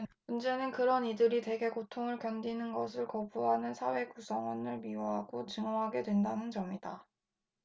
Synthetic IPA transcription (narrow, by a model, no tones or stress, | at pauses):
mund͡ʑe̞nɯnkɯɾʌnidɯɾite̞ɡe̞kotʰoŋɯɭkjʌndinɯnɡʌsʰɯɭkʌbuɦanɯnsʰawe̞kusʰʌŋwʌnɯɭmioɦaɡot͡ɕɯŋʌɦaɡe̞dwe̞ndanɯnd͡ʑʌmida